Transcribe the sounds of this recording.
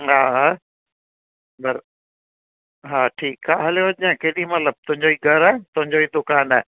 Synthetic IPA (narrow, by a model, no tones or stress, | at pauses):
ɦaː | bɐɾ | ɦaːʈʰiːkɦaːɦɐleoɐãkeːɗĩmɐt̪ləb̚t̪ʊɦɪ̃ɲd͡ʑoːiːɡʱɐɾaːt̪ʊɦɪ̃ɲd͡ʑoːiːd̪ʊkaːna